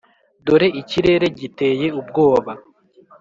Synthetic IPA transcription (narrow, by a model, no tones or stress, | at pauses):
doɾe̞ʔiciɾe̞ɾe̞ɟite̞je̞ub̚ɡo̞ːβa